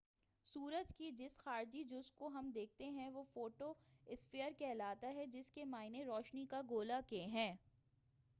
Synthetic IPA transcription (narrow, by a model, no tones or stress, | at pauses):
suːɾəd͡ʒkid͡ʒɪsxaːɾd͡ʒid͡ʒʊskoɦɐmd̪eːk̚t̪eɦɛ̃ʋofoːʈoɪspɪjəɾkɛːlaːt̪aɦɛd͡ʒɪskemaːɪneɾɔːʃnikaɡoːlakeɦɛ̃ː